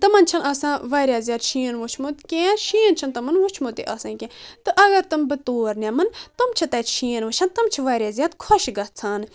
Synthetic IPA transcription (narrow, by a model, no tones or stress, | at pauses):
t̪ɐmɐnt͡ʃʰɐnaːsãːʋaːɾʲjaːzʲjaːd̪ʃʰiːnʋot͡ʃʰmot̪kʲẽːʃiːənt͡ʃʰɐnt̪ɐmɐnʋut͡ʃʰmot̪ḭʔaːsãːkʲẽːt̪ɨʔɐɡɐɾt̪ɨmbɨt̪oːɾnʲamɨnt̪ɨmt͡ʃʰɐt̪ɐːt͡ʃ̪ʃʰiːnʋɐt͡ʃʰɐnt̪ɨmt͡ʃʰiʋaːɾʲjaːzʲjaːd̪kʰoʃɡɐt͡sʰaːn